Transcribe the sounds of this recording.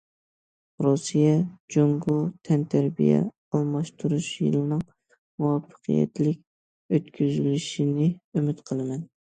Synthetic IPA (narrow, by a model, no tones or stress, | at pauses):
ɾusijɛd͡ʒoŋɡut̪ʰɛnt̪ʰæɾbḭjɛ̰ | ɑlˠmɑʃt̪ʰuɾuʃjɨ̰lˠɨnɨŋ | muwɑfːə̥qʰɨ̰jɛ̰t̪lɪkʲ | øt̪kʲʰyzylyʃinɪymɪt̪qʰəlˠɨmɛn